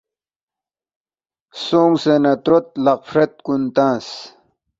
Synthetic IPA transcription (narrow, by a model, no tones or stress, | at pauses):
soːŋsenɐt̪ɾot̪̚laq̚fɾet̪̚kunt̪ãːs